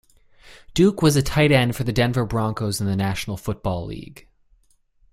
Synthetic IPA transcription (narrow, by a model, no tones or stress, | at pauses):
d̥ʉkwʌzɨtʰaɪɾɛ̃nd̥fə˞ðɨdɛ̃nvə˞bɹɑ̃ŋkoʊzn̩ðɨnæʃn̩l̩ˠfʊt̚b̥ɔlˠlḭɡ̥